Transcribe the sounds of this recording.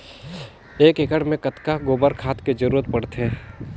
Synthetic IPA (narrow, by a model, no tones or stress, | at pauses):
eːkɪkəɽmẽkɐt̪kaɡoːbəɾkʰaːt̪ked͡ʒɐɾuːɾət̪̚pɐɽt̪ɦɛː